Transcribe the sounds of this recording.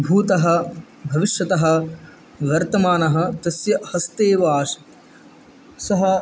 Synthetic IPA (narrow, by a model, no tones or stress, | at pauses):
bʱuːt̪ɐɦɐ̆ | bʱɐʋiʃjɐt̪ɐɦɐ̆ | ʋɐɾt̪ɐmaːnɐɦɐ̆t̪ɐsjɐhɐst̪eːʋaːʂ | sɐɦɐ